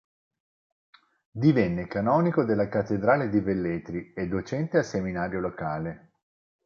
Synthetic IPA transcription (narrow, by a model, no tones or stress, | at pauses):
d̪ivɛnːekanɔːnikod̪elːakat̪ːed̪ɾaːled̪ivelːeːt̪ɾied̪ːot͡ʃɛnt̪easeminaːɾjolokaːle